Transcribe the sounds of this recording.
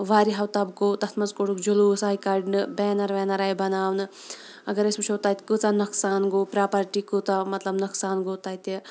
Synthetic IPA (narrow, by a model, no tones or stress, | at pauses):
ʋaːɾiɦɐwt̪ɐb̚ɡoːt̪ɐt̪ʰmɐt͡skoɽukd͡ʒolusaːjkaɾɖnɨbɛːnɐɾʋɛːnɐɾaːjbɐnaːwnɨ | ɐɡɐɾɐsmuʃʰowt̪aːjt̪ʲkɨt͡sanɐksaːnɡoːpɾaːpɐɾʈikɨt̪amɐt̪lɐbnɐksaːnɡoːt̪aːjt̪e